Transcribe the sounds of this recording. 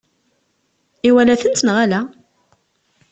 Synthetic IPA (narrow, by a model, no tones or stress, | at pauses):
iwælæθənt̪nʁalæ